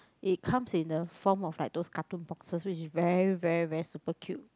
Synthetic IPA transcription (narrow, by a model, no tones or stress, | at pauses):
ʔit̚kʰãmsĩndəfɔmɔflaɪk̚doskatũnpɔksəswit͡ʃɪsvɛɹivɛɹivɛɹisupəkʰjup̚